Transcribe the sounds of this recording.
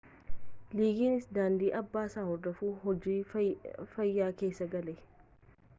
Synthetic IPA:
liːɡiːnɪsd̪aːnd̪iːʔɐbːaːsaːhɔɾd̪ɔfuːhɔd͡ʒiː | fɐjːaːkeːsːɐɡɐlɛ

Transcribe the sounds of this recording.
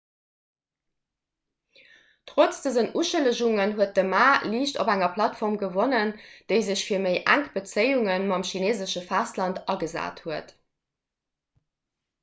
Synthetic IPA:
tʁot͡sd̥əzənʔuʃələʑuŋənɦuət̚dəmaːliːɕto̰bæŋɐpʰlɑtfɔʁmɡəvonənd̥əɪzəɕfiːɐmeɪʔæ̰ŋkb̥ət͡səɪuŋənmɑmʃineːzəʃəfæstlɑntɑɡəza̰ːthuət

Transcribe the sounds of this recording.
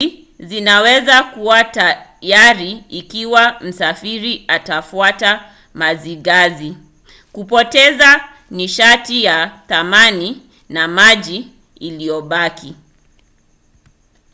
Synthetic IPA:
zinawɛzakuwatajaɾiikiwam̩safiɾiatafuata | maziɡazi | kupɔtɛza | niʃatijaθamani | namaʄi | ilijɔɓaki

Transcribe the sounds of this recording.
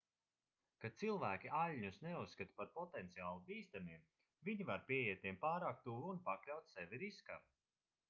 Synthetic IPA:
kat̪silˠvæːkʲialʲɲusnɛusːkat̪paɾpɔt̪ɛnt̪siaːlˠubiːst̪amiɛm | viɲivaɾpʲiɛjiɛt̪̚t̪ʲiɛmpaːɾaːk̚t̪uːvːnpaklʲawt̪sɛviɾiska̰ɾ

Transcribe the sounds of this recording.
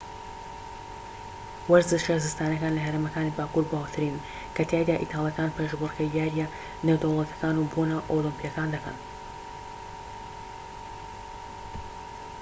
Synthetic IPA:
wɐɾzɨʃazɨst̪aːnɐkaːnlɐɦɐɾemɐkaːnibaːkuːɾbawt̪ʰɨɾiːn | kʰɐt̪ʰaːjd̪aːʔit̪ʰaːlˠjɐkaːnpʰeʒbɨɾkɐjd̪jaːɾjɐ | newd̪owlˠɐt̪ʰɐ̥kaːnubonɐʔolimpijɐkaːnd̪ɐkɐ̰n

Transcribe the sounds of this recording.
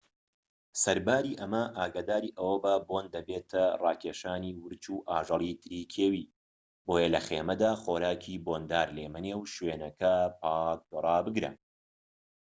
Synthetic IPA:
sɐɾbaːɾiːʔɐmɐʔaːɡaːd̪aːɾiːʔɐwɐbɐboːnd̪ɐbeːt̪ʰɐrɑːkʲʰeːʃaːniːwɨɾt͡ʃuːʔaːʒɐlˠiːt̪ʰɨɾiːkʰeːwiː | boːjɐlɐxḛːmɐd̪aːχoːɾaːkʰiːboːnd̪aːɾleːmɐnewʃweːnɐkʰɐpʰaːk̚d̪orˤɑːbɨɡɾɐ̰

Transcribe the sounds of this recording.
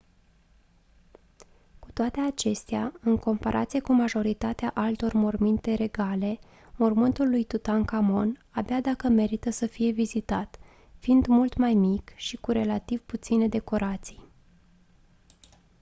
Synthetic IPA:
ku̥t̪oat̪e̞at͡ʃe̞st̪eaɨŋko̞mpaɾʔa̰t̪sije̞kumaʒo̞ɾit̪at̪eaʔalt̪o̞rmormint̪e̞ɾe̞ɡale̞ | mormɨnt̪ulːujt̪ut̪ankamo̞nabead̪akəme̞ɾit̪əsəfije̞vizit̪at̪ | find̪mult̪majmikʃikuɾe̞lat̪ivput̪sine̞d̪e̞ko̞ɾat̪si̥j

